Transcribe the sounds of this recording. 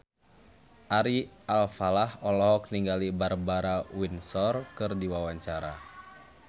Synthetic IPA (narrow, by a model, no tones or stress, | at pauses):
ʔaɾialfalahɔlɔɦɔk̚niŋɡalibarbaɾawinsɔrkɨrdiwawaɲt͡ʃaɾa̰